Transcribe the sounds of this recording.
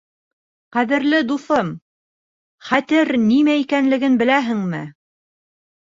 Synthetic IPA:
qæðɘ̆ɾlɘd̪uθɤm | χæt̪ɘɾnimæikænlɘ̆ɡɘnbɘ̆læɦɘ̆ŋmɘ

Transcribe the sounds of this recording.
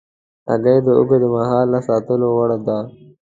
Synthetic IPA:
ɐ̰ɡɐjd̪əʊ̰ɡəd̪əmɐɦɑːlnasɑːt̪əlowɐɽad̪aː

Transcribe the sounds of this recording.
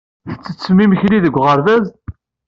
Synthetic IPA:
θə̥t͡sːə̥t͡sːmimçliðəɡʷʁəɾðæz

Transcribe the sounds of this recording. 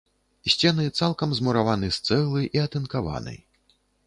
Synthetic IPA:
sʲt͡sʲɛnɨt̪salˠkɐmzmuɾavanɨst̪sɛɣlˠɨjʔiɐt̪ɨnkava̰nɨ̰j

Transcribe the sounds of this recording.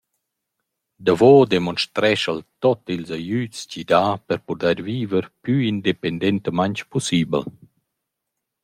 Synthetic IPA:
d̪avɔd̪ɛmɔnʃt̪ɾɛʃəlt̪ɔt̪ilzajyt͡scid̪aːpɛɾpud̪ɛɾviːvəɾpjyind̪epɛnd̪ɛnt̪əmaɲt͡ʃpɔsiːbə̰l

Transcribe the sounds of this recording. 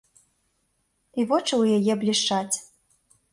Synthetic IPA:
ivɔt͡ʂɨwjajɛblʲiʂt͡ʂat͡sʲ

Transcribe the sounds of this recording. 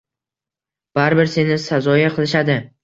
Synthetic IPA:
b̥aɾbɪɾse̞nɪsazɒjaqʰɨlˠɪʃad̪ɪ

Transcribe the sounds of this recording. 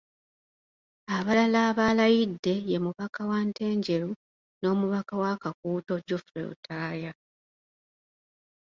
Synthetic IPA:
aβalalaːβalajidːe̞je̞muβakawante̞ːɲɟe̞ɾu | no̞ːmuβakawakakuːto̞ɟofɾḛṵtʰaːja

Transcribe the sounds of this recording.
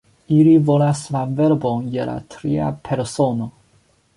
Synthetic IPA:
ilivo̞laslave̞ɾbonjela̰tʰɾia̰pʰe̞ɾso̞no̞

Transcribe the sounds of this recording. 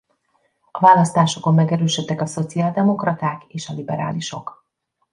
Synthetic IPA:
ɒvaːlɒst̪aːʃoko̞mːɛɡɛɾøːʃøt̪ːɛkɒso̞t̪siaːld̪ɛmo̞krɒt̪aːkeːʃɒlibɛɾa̰ːliʃo̞k

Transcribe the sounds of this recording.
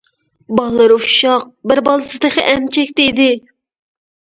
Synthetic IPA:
bɑlˠːɨɾufʃɑq̚bɪɾbɑlˠɨsɨd̪ɨqəʔɛmt͡ʃʰɛkʲt̪eid̪ɪ

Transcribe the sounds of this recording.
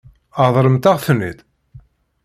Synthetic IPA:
ɑðˤɾˤəmt̪aʁθənːit̪

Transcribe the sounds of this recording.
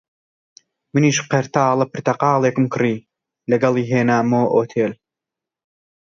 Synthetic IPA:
mɨniːʃqɐɾt̪aːlˠɐpɨɾt̪ɐqɑːlˠeːkɨmkʰɨriː | lɐɡɐlˠiːɦeːnaːmoːʔoːt̪ʰeːl

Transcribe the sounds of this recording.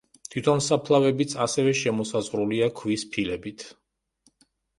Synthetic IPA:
t̪ʰit̪ʰɔnsapʰlˠavɛbit̪sʰasɛvɛʃɛmɔsazʁɾuliakʰwispʰilɛbit̪ʰ

